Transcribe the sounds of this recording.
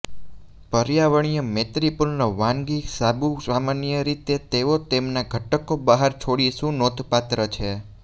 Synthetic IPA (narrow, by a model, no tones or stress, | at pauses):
pəɾjaʋəɳ̃ijəmet̪ɾipulnoʋãŋɡisabusamanijəɾit̪et̪eʋot̪emnaɡʱəʈəkobəɦaɾt͡ʃʰoɽiʃũnot̪ʰpat̪ɾət͡ʃʰe